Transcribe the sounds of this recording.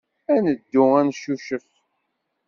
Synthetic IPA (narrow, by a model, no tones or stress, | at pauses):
ænəd̪ːʊænʃuʃəf